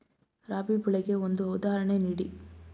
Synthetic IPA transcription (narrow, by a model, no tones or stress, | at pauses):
ɾaːbipiɭɛɡe̞ond̪uɦɐwd̪aːɦɐɾɐɳeniːɽi